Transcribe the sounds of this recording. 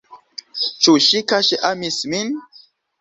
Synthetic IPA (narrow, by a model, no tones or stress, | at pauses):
t͡ʃuʃikaʃeʔamismin